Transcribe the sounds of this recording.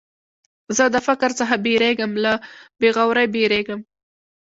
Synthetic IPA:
zəd̪əfɪkɾt͡səxabeɾeɡəmlabeɣawɾajbeɾeɡəm

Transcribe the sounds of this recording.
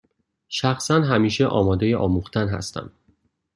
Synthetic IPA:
ʃæxsænɦæmiːʃeʔɒ̰ːmɒːd̪ejeʔɒ̰ːmuxt̪ʰænɦæ̰st̪ʰæ̰m

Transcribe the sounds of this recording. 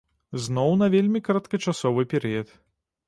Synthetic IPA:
znɔwnɐvʲelʲmʲikɐɾɐt̪kɐt͡ʂasɔvɨpʲɛɾɨjɐt̪

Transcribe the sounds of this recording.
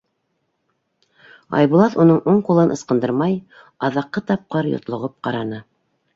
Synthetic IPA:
ɑ̰jβulˠɑðunɤɴuɴqulˠɤnʔɤ̆sqɤ̆nd̪ɤɾmɑj | ɑðɑqːɤt̪ɑp̚qɤɾjo̰t̪lˠŏʁɤp̚qɑɾɑnɤ

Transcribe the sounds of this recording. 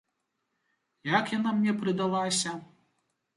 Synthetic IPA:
jakjanamnʲɛpɾɨd̪alˠasʲɐ

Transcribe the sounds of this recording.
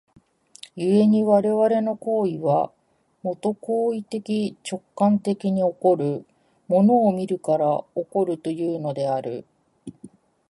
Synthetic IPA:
jɯe̞ɲ̟iβaɾe̞βaɾe̞no̞ko̞ːiβa | mo̞t̪o̞ko̞ːit̪e̞kʲit͡ɕo̞kːãnt̪e̞kʲiɲ̟io̞ko̞ɾɯ̟ | mo̞no̞ːmʲiɾɯ̟kaɾao̞ko̞ɾɯ̟t̪o̞jɯːno̞d̪e̞aɾɯ̟̰

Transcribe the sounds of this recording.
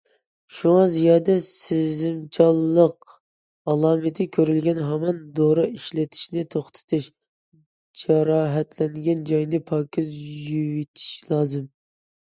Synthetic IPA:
ʃuŋɑzijɑːd̪ɛsɪzɪmt͡ʃʰɑlˠːəq | ɑlˠɑːmɨt̪ʰɪkʲʰøɾylɡʲɛnɦɑmɑnd̪oɾɑʔiʃlɪt̪ʰi̥ʃnɪt̪ʰoχt̪ʰɨ̥t̪ʰɨʃ | d͡ʒɑɾɑːɦɛt̪ʰlɛŋɡʲɛnd͡ʒɑjnɪpʰɑːkʲʰizjywit̪ʰi̥ʃlˠɑːzɨm

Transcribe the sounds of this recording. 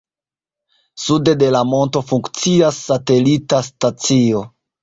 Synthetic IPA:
sude̞de̞lamo̞nto̞fuŋkt͡siasːate̞litastat͡sio̞

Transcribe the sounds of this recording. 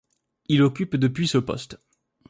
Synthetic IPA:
ilɔkʲypd̪əpɥisəpɔ̰st̪

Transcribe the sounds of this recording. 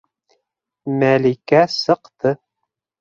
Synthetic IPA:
mælikæsɤ̆qt̪ɤ

